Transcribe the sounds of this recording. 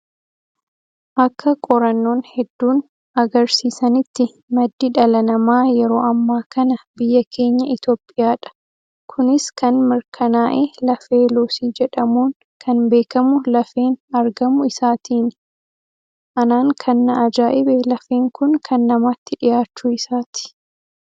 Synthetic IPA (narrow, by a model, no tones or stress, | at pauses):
ʔɐkːɐkʼɔɾɐnːo̞ːnhɛd̪ːuːn | ɐɡɐɾsiːsɐnɪt̪ːɪ | mɐd̪ːɪᶑɐlɐnɐmaːjɛɾo̞ːɐmːaːkɐnɐbɪjːɐkʰe̞ːɲːɐʔɪt̪o̞ːpʼːɪjaːᶑɐ̥ | kʰʊnɪskɐnmɪɾkʰɐnaːʔeːlɐfe̞ːloːsiːd͡ʒɛᶑɐmuːn | kʰɐnbe̞ːkɐmʊlɐfeːnɐɾɡɐmʊɪsaːt̪ʰiːnɪ | ʔɐnaːŋkʰɐnːɐːd͡ʒaːʔɪbɛlɐfeːŋkʊnkʰɐnːɐmaːt̪ːɪᶑɪjaːt͡ʃːʊɪsaːt̪ɪ̥